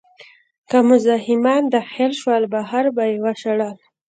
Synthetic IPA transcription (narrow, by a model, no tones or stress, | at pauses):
kamʊzɑɦɪmɑnd̪əxelʃwalbaɦaɾbajewaʃaɽal